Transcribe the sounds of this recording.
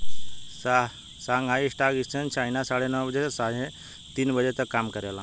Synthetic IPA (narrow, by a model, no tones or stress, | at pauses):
sa | saŋɡaisʈaɡist͡sʰənt͡ɕainasaɽenəwbəd͡zesaɽẽ | t̪iːnbəd͡zet̪əkamkəɾelã